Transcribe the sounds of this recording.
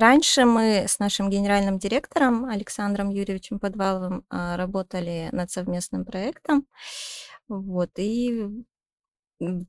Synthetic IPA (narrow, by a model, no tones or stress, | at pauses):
ɾanʲʂɨmɨsnaʂɨmɡʲɪnʲɪɾalʲnɨmdʲɪɾʲe̞kt̪əɾəmɐlʲɪksand̪ɾəmjuɾʲɪvʲɪt͡ɕɪmpɐd̪valˠəvɨmɾɐbo̞t̪əlʲɪnɐt̪sɐvmʲe̞snɨmpɾɐɛkt̪əm | vo̞t̪i